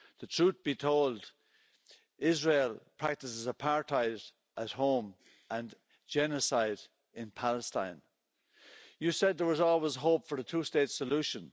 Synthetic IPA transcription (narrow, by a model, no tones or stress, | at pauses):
ðətʰɹ̥ut̪̚b̥itʰoʊlˠd | ɪzɹeːlˠpʰɹ̥ak̚tɪsɪzəpʰaɹtʰaɪɾ | ʔət̚hõʊ̃m | ʔə̃n | d͡ʒɛnəsaɪd | ɪ̃npʰaləstã̰ɪ̃n | jɨsɛd̪̚ðə˞wɒzɔːlˠwɪzɦoʊpfə˞ðətʰuːsteɪtsəluʃə̃n